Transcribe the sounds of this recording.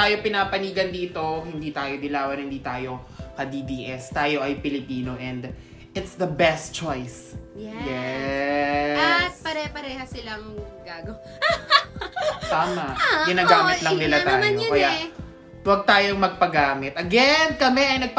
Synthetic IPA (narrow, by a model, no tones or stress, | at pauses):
aːjopɪnaːpɐniːɡɐnd̪iːt̪o̞hɪnd̪iːt̪aːjod̪ɪlaːwɐnhɪnd̪iːt̪aːjo̞kɐd̪iːd̪iːʔɛst̪aːjo̞ʔɐjpɪlɪpiːno̞ʔɛnd̪ | ʔɪt̪sðɐbɛst̪t͡ʃojs | jjɛ | t̪̚pɐɾɛpɐɾɛːhɐsɪlɐŋɡaːɡɐw | t̪aːmɐʔɡɪnaːɡaːmɪt̪lɐŋnɪlat̪aːjokɐja | wɐɡ̚t̪aːjoŋmɐɡ̚pɐɡaːmɪt̪ɐɡɛnkɐmɛʔɐjnɐɡ̚p